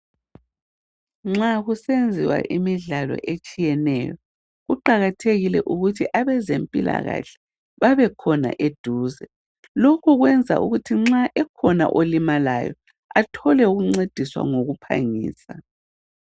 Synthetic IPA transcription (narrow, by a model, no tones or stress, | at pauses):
ŋ͡ǁaɣusend͡zʱiwa̰ʔimiɮalɔ̰ʔet͡ʃʼijɛnɛjɔ | ɣuǃaɣatʰeɣilɛʔuɣutʰiʔaβɛzempʼila̰ɣa̰ɬɛ̥ | βaβɛkʰɔna̰ʔed̥ʱuːzɛ | lokʰuɣwɛnd͡zʱa̰ṵɣutʰiŋ͡ǁaʔɛkʰɔna̰ʔolimala̰jɔ̰ | atʰɔlɛuɣuŋ͡ǀed̥ʱiswa̰ŋoɣupʰa̰ŋḭːsa